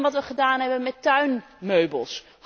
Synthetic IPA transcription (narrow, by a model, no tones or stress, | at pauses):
ʋɑtʋəχədaːnɦɛbənmɛtœɥn | møɥbə̰lˠs | h